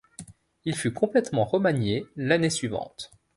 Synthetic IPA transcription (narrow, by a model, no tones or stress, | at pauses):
ilfykɔ̃plɛt̪mɑ̃ʁɔmanjelanesɥivɑ̰̃t̪